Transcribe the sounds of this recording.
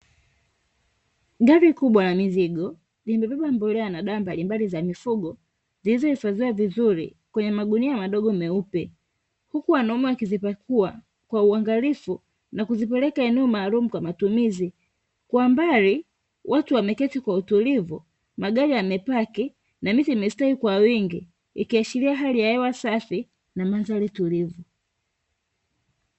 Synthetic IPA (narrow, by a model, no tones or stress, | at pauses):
ɡaɾikuɓwanamiziɡɔ | limbɛɓɛɓambɔlɛanaɗaːmbalimbalizamifuɠɔ | zilizɔhifaziwavizuɾḭ | kwɛɲɛmaɠuniamaɗɔɠɔmɛupɛ | hukuwanɔmuakizipakua | kwauaŋɡalifu | nakuzipɛlɛkaɛnuːmaːlumukwamatumizi | kwambaɾi | wʔatuwamɛkɛtikwautulivu | maɡaɾiamɛpaki | namitimɛstahikwawiŋɡi | ḭkiaʃiliaɦalijaɛwasafi | namanzalitulivu